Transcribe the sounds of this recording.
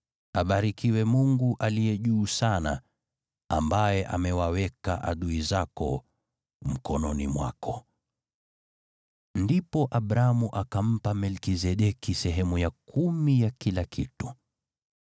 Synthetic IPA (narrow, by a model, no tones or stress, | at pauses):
aɓaɾikiwɛmuŋɡuʔalijɛʄuːsana̰ | ambajɛʔa̰mɛwawɛkaʔa̰ɗuizakɔ̰ | m̩kɔnɔnimwa̰kɔ | ndipɔʔaɓɾaamuʔakam̩pamɛlkizɛɗɛkisɛɦɛmujakʰumijakilakḭtu̥